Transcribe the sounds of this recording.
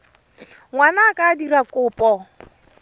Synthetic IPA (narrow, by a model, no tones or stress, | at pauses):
ŋʷwanakadiɾakʼʊpʼɔ